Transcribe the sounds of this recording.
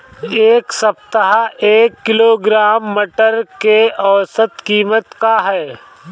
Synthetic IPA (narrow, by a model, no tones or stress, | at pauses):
eːksɐp̚t̪əɦaʔeːkːɪloːɡɾaːmːəʈəɾkeɔːsət̪kiːmət̪kaɦɛː